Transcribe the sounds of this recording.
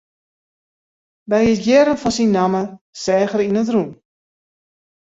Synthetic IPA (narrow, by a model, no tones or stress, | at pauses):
dajitjɛɾənfɔnsinːaməsɛːɣəɾinət̬run